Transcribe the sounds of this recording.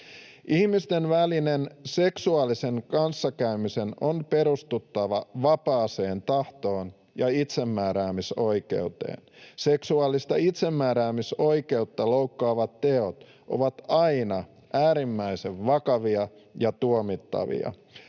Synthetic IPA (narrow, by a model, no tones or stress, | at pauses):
ʔihmist̪enʋælinense̞ksuɑːlise̞ŋkɑnsːɑkæymise̞nonpe̞ɾust̪ut̪ːɑʋɑʋɑpɑːse̞ːnt̪ɑht̪o̞ːn | jɑit̪se̞mːæːɾæːmiso̞ike̞̰ut̪ḛːnse̞ksuɑːlːist̪ɑit̪se̞mːæːɾæːmiso̞ike̞ut̪ːɑlo̞wkːɑːʋɑt̪ːe̞o̞t̪ | ʔo̞̰ʋɑt̪ɑjnɑ | ʔæːɾimːæise̞ʋʋɑkɑʋiɑ | jɑt̪uomit̪ːɑ̰ʋḭɑ̰